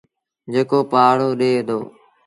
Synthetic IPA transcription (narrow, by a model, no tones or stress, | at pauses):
d͡ʒeːkoːpaːɽoːɗeːd̪oː